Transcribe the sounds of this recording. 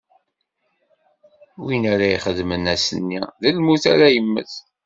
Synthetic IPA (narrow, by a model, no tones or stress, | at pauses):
winæɾæjχəðmənæsənːiðəlmuθæ̰ɾæjəmːə̰θ